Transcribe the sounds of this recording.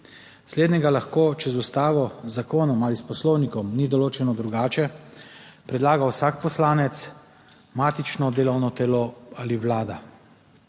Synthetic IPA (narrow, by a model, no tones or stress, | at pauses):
sleːd̪nɛɡalaxkoːt͡ʃɛzust̪aːʋɔzakoːnɔmaːlispɔslɔwnikɔmnid̪ɔloːt͡ʃɛnɔd̪ɾuɡaːt͡ʃɛ | pɾɛd̪laːɡawsakpɔslaːnɛt̪s | maːt̪it͡ʃnɔd̪eːlɔwnɔt̪ɛloaliwlaːd̪a